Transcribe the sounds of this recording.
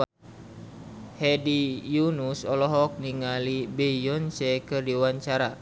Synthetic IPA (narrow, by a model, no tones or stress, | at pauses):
hɛdijunusɔlɔɦɔk̚niŋalibɛjɔnsɛkɨrdiwaɲt͡ʃaɾa